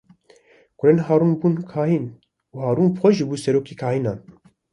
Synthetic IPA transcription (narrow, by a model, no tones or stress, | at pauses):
kʊɾeːnɦaːɾuːnbuːnkʰaːhiːn | uːhɑːɾuːnbxʷɛʒɨbuːsɛɾoːkiːkʰaːhiːnɑːn